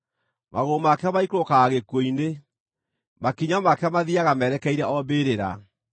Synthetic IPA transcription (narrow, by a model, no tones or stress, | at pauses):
mʔaɣomakɛamaikɾokaːɣekoine | makiɲamakɛamaðiaɣamɛɾɛkɛiɾɛʔɔbeːɾeɾa̰